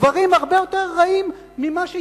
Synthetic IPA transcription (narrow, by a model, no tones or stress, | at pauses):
vaʁimaʁbe̞jo̞t̪eʁːaimː | imaʃe